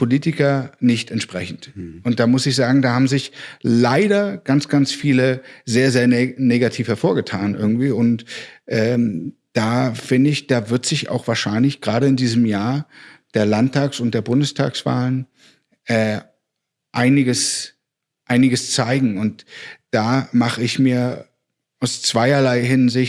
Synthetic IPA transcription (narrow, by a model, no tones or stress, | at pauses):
pʰoliːtɪkɐnɪçtɛntʃpʁ̥ɛ̰çn̩tʔʊnt̚d̥aːmʊsɪçz̥aːɡŋ̩daːhaːbm̩zɪçlaɪɾɐɡ̥ant͡sɡ̥ant͡sfiːləzeːɐzeːɐneːɡatʰiːfhɛɐfoːɐɡətʰaːnʔɪ̰ɐɡŋ̩tv̥iːʊntʔɛːmd̥aːfɪndəɪçd̥aːvɪɐtz̥ɪça̰ʊxv̥aːɐʃaɪnlɪçɡ̥ʁaːɾəɪndiːzəmjaːɐd̥eːɐlantʰːaːksʊnt̚d̥eːɐbʊndəstʰa̰ːksv̥a̰ːlən | ʔɛː | ʔaɪnɪɡəs | ʔaɪnɪɡəst͡saɪɡŋ̩ʊntd̥aːmaχəɪçmiːɐ | ʔaʊst͡sv̥aɪɐlaɪɦɪnzɪç